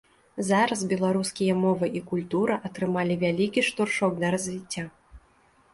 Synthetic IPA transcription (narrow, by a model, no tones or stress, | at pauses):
zaɾɐsbʲɛlˠaɾuskʲijɐmɔvɨʔikulʲt̪uɾɐʔɐt̪ɾɨmalʲivʲalʲikʲiʂt̪urʂɔknɐɾɐzʲvʲit͡sʲːa